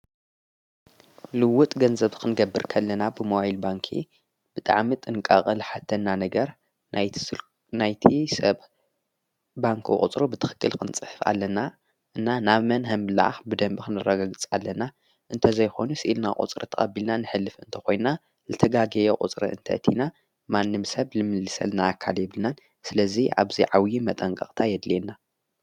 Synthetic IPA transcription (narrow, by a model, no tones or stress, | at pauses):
lɨwːʊt̪ʼɡɐnzɐβkʰɨnɨɡɐbːɨɾkʰɐlːɐnabɨmowahilbaŋkʰḭ | b̥ɨt̪ʼa̰ʕmit̪ʼɨnkʼaχʼɨlħat̪ʰːɐnːanɐɡɐɾ | naj | najt̪ʰisɐβ | baŋkʰṵkʼṵt͡sʼɾubɨt̪ʰɨxɨ̥kʰːɨlkʰɨnt͡sʼɨħɨfa̰lːɐna | ʔɨnːanaβmɐnɦɐmbɨla̰ʕa̰xbɨd̪ɐmbixɨnɨrːɐɡaɡɨt͡sʼalːɐna | ʔɨnt̪ʰɐzɐjxo̞̰nusɨʔilna̰ʔʼṵt͡sʼɾḭt̪ʰɐχʼɐ̰bilnanɨħɨlːɨfɨnt̪ʰɐ̥xo̞jnna | zɨt̪ʰɐɡaɡɐjokʼṵt͡sʼɾḭɨ̰nt̪ʰɐ̰t̪ʰina | manːɨmsɐβlɨmɨlːɨsɐ̰lnaːkʰːaljɛβɨlnan | sɨlɐziʔa̰βziʕawjimɐt̪ʼɐŋkʼɐ̰χʼt̪ʰajɛd̪lenːa